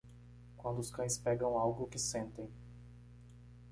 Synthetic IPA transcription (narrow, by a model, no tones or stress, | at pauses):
kwɐ̃nd̪ʊskɐ̃j̃spɛɡɐ̃w̃awɡʊkɪsẽnt̪ẽj̃